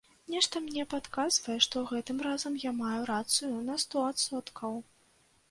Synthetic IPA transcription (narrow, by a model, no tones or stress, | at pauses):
nʲɛʂt̪ɐmnʲɛpat̪kazvɐjɛʂt̪ɔwɣɛt̪ɨmrazɐmjamajuɾat̪sɨjunɐst̪ɔat̪sɔt̪kʰɐw